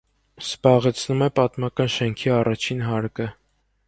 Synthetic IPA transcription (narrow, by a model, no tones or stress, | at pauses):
sb̥ɑʁɛt͡sʰnumɛpɑt̪mɑkɑnʃɛŋkʰiɑrɑt͡ʃʰinɦɑɾkə